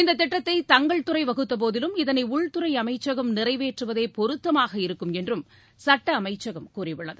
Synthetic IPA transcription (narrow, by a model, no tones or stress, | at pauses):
ɪnd̪ɐt̪ːɪʈːɐt̪ːɐɪt̪ɐŋɡɐɭt̪ɯɾɐɪʋɐɣɯt̪ːɐp̬oːðɪlɯmɪðɐnɐɪʊɭt̪ɯɾɐɪɐmɐɪt͡ʃːɐɣɐmnɪrɐɪʋeːʈrɯʋɐðeːpɔɾɯt̪ːɐmaːɣɐɪɾɯkːɯmɛndrɯm | sɐʈːɐːmɐɪt͡ʃːɐɣɐmkuːrɪʋɪɭːɐðɯ